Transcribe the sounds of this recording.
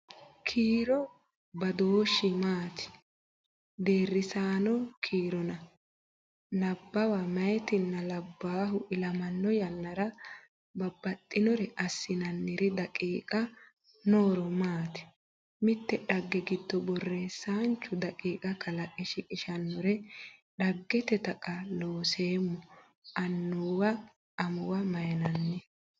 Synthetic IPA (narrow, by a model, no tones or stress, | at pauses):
kʰiːɾɔ | bɐd̪oːʃːɪmaːt̪ɪ̥ | d̪e̞ːrːɪsaːnɔkʰiːɾɔnɐ | lɐbːɐwamɐjɛt̪ɪnːɐlɐbːaːɦʊʔɪlɐmɐnːɔjɐnːɐɾɐ | bɐbːɐt̪ʼːɪnɔɾɛʔɐsːɪnɐnːɪɾɪd̪ɐkʼiːkʼɐ | noːɾɔmaːt̪ɛ̥ | mɪt̪ːɛᶑɐɡːɛɡɪd̪ːɔbɔrːeːsːaːnt͡ʃːʊd̪ɐkʼiːkʼɐkʰɐlɐʔʼɛʃɪkʼɪʃɐnːɔɾɛɗɐɡːɛt̪ɛt̪ɐkʼɐloːse̞ːmːɔ | ʔɐnːuwɐː | mʊwɐmɐjɛnɐnːɛ